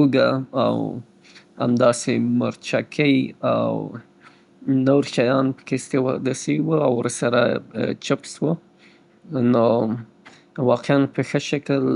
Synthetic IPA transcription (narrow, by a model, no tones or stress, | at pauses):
uɡaa̰w | a̰md̪ɑsemaɾt͡ʃakʰəjaw | noɾʃɑjɑnpə̥kest̪ewɑ̰d̪asewəawəɾsaɾa̰t͡ʃapswə | no | wɑqeanpəxəʃakəl